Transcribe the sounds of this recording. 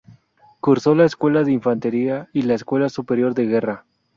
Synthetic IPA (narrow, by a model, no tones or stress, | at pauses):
kuɾso̞laeskwe̞laðeiɱfant̪e̞ɾiailaeskwe̞lasupe̞ɾjo̞ɾðe̞ɣe̞ra